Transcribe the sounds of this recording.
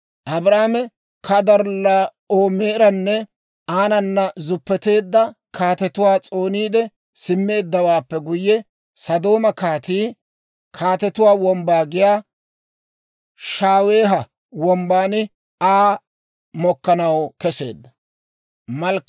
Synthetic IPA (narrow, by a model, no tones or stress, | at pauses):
ʔɐbɾaːmɛ | kʰɐd̪ɐɾlːɐ | oːmeːɾɐnːɛ | aːnɐnːɐzʊpːɛt̪e̞ːd̪ːɐ | kʰaːt̪ɛt̪ʊwaːt͡sʼo̞ːniːd̪ɛ | sɪmːe̞ːd̪ːɐwaːpːɛɡʊjːɛ | sɐd̪o̞ːmɐkaːt̪iː | kʰaːt̪ɛt̪ʊwaːwɔmbaːɡɪjaː | ʃaːweːɦɐ | wɔmbaːnɪ | aː | mɔkːɐnɐwkɛse̞̰ːd̪ːɐ | mɐl